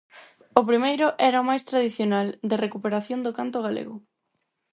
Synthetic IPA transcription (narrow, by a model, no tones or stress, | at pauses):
ʊpɾimejɾʊʔɛɾaomajst̪ɾaðiθjonald̪ɪrekupeɾaθjond̪ʊkant̪ʊɣalḛɣʊ